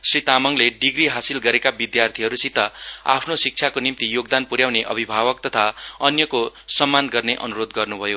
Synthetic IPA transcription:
srit̪amʌŋleɖiɡriɦasilɡʌɾekabid̪jart̪ʰiɦʌɾusit̪ʌa̰pʰnosik̚t͡ʃʰakonimt̪ijoɡ̚d̪anpuɾjawneʔʌbʱibʱabʌk̚t̪ʌt̪ʰaʌnjʌkosʌmːanɡʌrneʔʌnuɾod̪ɡʌrnubʱʌjo

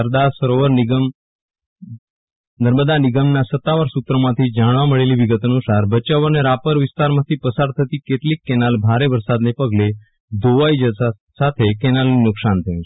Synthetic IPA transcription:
əɾd̪asəɾoʋəɾniɡəm | nəɾməd̪anɪɡəmnasət̪ːaʋaɾsut̪ɾəmãt̪ʰid͡ʒaɽ̃ʋaməɭeliʋiɡət̪ənusaɾbət͡ʃaʋəneɾapəɾʋɪst̪aɾmãt̪ʰipəsaɾt̪ʰət̪ikeʈlikːɛnalbʱaɾeʋəɾsad̪nepəɡle | d̪oʋajd͡ʒ | sat̪ʰekɛnalnunʊksant̪ʰəjũ̥

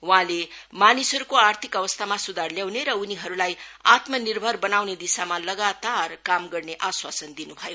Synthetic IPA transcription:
wãlemanisɦʌɾukoart̪ʰikʌβʌst̪ʰamasud̪ʱarljawneɾʌuniɦʌɾulajat̪mʌnirbʱʌrbʌnawned̪isamalʌɡat̪arkamɡʌrneʔaswasʌnd̪inubʱʌjo

